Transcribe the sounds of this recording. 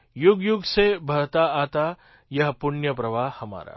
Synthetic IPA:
jʊɡjʊɡsebʱɐɽt̪aaːt̪a | jɐɦpʊnjəpɾɐʋaːɦhɐma̰ːɾa̰ː

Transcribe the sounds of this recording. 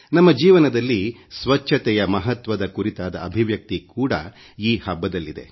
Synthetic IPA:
nɐmːɐd͡ʒiːʋɐnɐd̪ɐlːi | sʋɐt͡ʃʰːɐt̪ɛjɐmɐɦɐt̪ʋɐd̪ɐkuɾit̪aːd̪ɐːbʱiʋjɐk̚t̪ikuːɽɐ̰ | iːhɐbːɐd̪ɐlːid̪e̞̰

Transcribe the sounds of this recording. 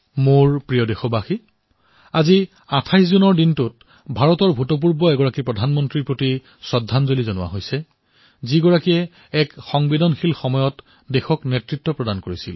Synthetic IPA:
moɹpɹijɔdexɔbaxi | azi | atʰajszunɔɹdintut̚ | bʱaɹɔtɔɹbʱutɔp̬uɹbɔɛɡɔɹakipɹɔdʱanmɔntɹiɹpɹoti | sɔdʱːanzolizɔnʊwa̰ɦojsɛ | ziɡɔɹakiɛ | ɛkxɔŋbidɔnxilxɔmɔjɔt | dexɔknetɹitːɔpɹɔdankoɹisil

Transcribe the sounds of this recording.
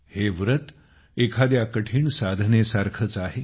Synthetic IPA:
heʋɾət̪ | ekʰad̪jakəʈʰiːɳsad̪ʱnesaɾkʰət͡saɦe

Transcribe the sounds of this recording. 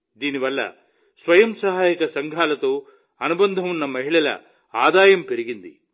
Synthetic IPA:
d̪iːniʋɐlːɐ̰ | sʋɐjɐmsɐɦaːjɐkɐsɐŋɡʱaːlɐt̪oː | ɐnubɐnd̪ʱɐmunːɐmɐɦiɭɐlɐ̰ | aːd̪aːjɐmpe̞ɾiɡind̪ḭ

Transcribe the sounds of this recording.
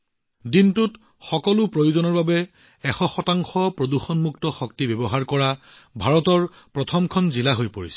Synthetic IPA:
dintʊt | xɔkɔlʊpɹojuzɔnɔɹbabɛ | ɛxɔxɔtaŋxɔpɹoduxɔnmuktɔxɔktibɛbɔɦaɹkɔɹa | bʱaɹɔtɔɹ | pɹɔtʰɔmkʰɔnzilaɦojpoɹisɛ̥

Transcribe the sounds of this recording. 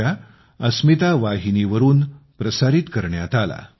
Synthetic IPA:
a | əsmit̪aʋaɦiniʋəɾuːn | pɾəsaɾiːt̪kəɾɳjat̪ala̰

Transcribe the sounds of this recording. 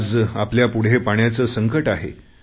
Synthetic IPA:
d͡zapljapuɽ̤epaɳ̃jat͡səsəŋkəʈaɦḛ

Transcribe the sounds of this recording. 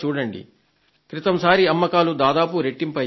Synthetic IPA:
t͡ʃuːɽɐɳɖḭ | kɾit̪ɐmsaːɾiɐmːɐkaːlud̪aːd̪aːpuɾeʈːimpɐ

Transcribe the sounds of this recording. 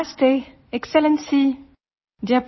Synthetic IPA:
ste | ɛksɛlɛ̃nsi | djap

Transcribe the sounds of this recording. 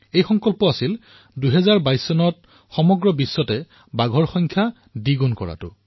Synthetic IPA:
ejxɔŋkɔlpɔasil | duɦɛzaɹbajsːɔnɔt̚ | xɔmɔɡɹɔbisːɔtɛ | baɡʱɔɹxɔjŋkʰja | diɡunkɔ̰ɹa̰tʊ̰

